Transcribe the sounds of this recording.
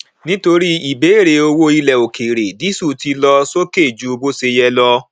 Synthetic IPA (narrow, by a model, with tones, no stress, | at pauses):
nĩ˦to˧ɾi˦i˨be˨˦˨ɾe˧o˧wo˦i˧lɛ˨o˨ke˨ɾe˨di˨˦su˦˨ti˧lɔ˧so˦ke˦˨d͡ʒu˨˦˧bo˦se˧jɛ˧lɔ˧